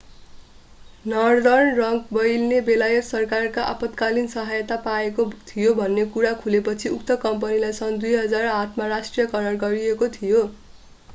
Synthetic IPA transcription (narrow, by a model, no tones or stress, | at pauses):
nʌrd̪ʌrnrʌŋɡbʌjlnebelajʌt̪sʌrkarkaʔapʌt̪kalinsʌɦajʌt̪apaekot̪ʰijobʱʌnːekuɾakʰulepʌt͡sʰiuk̚t̪ʌkʌmpʌnilajsʌnd̪ujɦʌd͡zarat̪ʰmarasʈrijʌkʌɾʌrɡʌɾiekot̪ʰijo